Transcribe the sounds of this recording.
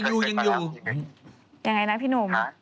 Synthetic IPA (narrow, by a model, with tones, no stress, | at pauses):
ŋjuː˨˧˩jɯ˧ŋjuː˧˨˧ | ja˧ŋːa˧jna˦˥pʰiː˦˥nu˧˩˦m